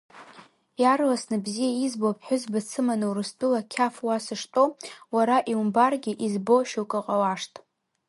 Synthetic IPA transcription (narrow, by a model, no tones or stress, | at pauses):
jarlasnɨbzijaizbopʰħʷᶣʊzbat͡sʰɨmanɨwrɨstʼulakʲʰafwasɨʂtʼo̞waɾaʔiumbarɡʲɪʔizbo̞ʃuwkʼɨqʼawaʂtʼ